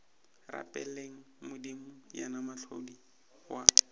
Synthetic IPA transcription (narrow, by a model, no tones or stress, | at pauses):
ra̰pʼɛleŋ̩ | mʊdimʊja̰namaɬʰodi | wa